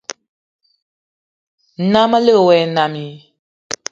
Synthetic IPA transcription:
na˦mə˦lə˦˨wɛ˨˦na˨mi˨

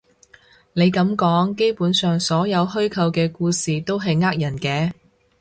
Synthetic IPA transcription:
ne˨˧jkɐ˨˥mkɔː˨˥ŋke˥jpuː˨˥nsœː˨ŋsɔː˨˥jɐ˨˧wɦɵ˥ɥkʰɐ˧wkɛː˧kuː˧siː˨t̪o˥wɦɐ˨jŋaː˥k̚jɐ˨˩nkɛː˧

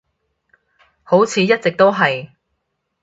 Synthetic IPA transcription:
ho˨˥wt͡sʰiː˨˧jɐ˥t̚t͡sɪ˨k̚t̪o˥wɦɐ˨j

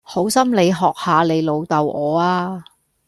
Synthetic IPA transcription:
ho˨˥wsɐ˥mle˨˧jɦɔː˨k̚haː˨˧le˨˧jlo˨˧wt̪ɐ˨wʔɔː˨˧aː˧

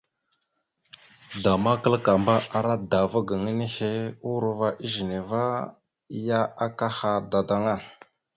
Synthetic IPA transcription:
da˨ma˦kə˦lka˨mba˦ʔa˨ɾa˦da˨va˦ɡə˨ŋə˦ni˦he˦u˦ɾu˨˦va˦ʔi˦ʒi˨ne˨va˦ | ja˦a˦ka˦ha˨da˨da˨˦ŋa˦˨n

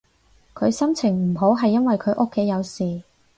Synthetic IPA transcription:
kʰɵ˨˧ɥsɐ˥mt͡sʰɪ˨˩ŋm̩˨˩ɦo˨˥wɦɐ˨jːɐ˥nwɐ˨jkʰɵ˨˧ɥʔo˥kʰːe˨˥jːɐ˨˧wsiː˨

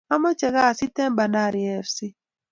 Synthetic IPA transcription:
a˦mɔ˦t͡ʃɛ˨ɣa˦˨si˦tɛ˦mba˨na˦˨ɾi˨ɛ˨fsi˦

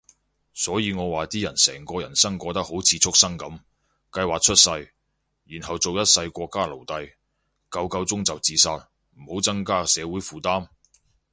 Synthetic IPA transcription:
sɔː˨˥jiː˨˧ŋɔː˨˧waː˨t̪iː˥jɐ˨˩nsɛ̰ː˨˩ŋkɔː˧jɐ˨˩nsɐ˥ŋkʷɔː˧t̪ɐ˥k̚ho˨˥wt͡sʰiː˨˧t͡sʰʊ˥k̚sɐ˥ŋkɐ˨˥m | kɐ˧jwaː˨k̚t͡ʃʰɵ˥t̚sɐ˧j | jiː˨˩nhɐ˨wt͡so˨wjɐ˥t̚sɐ˧jkʷɔː˧kːaː˥lo˨˩wt̪ɐ˧j | kɐ˧wkɐ˧wt͡sʊ˥ŋt͡sɐ˨wt͡siː˨˧saː˧t̚ | m̩˨˩ho˨˥wt͡sɐ˥ŋkaː˥sɛː˨˧wuː˨˥jfuː˨˩t̪aː˥m

